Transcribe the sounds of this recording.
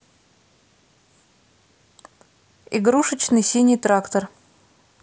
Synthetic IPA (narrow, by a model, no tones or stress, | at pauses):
iɡɾuʂɨt͡ɕnɨjsʲinʲijt̪ɾakt̪ər